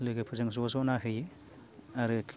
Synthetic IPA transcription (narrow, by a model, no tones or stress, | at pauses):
lɯɡɯpʰɯzɯŋzɔzɔnaɦɯj | aɾɯkʰ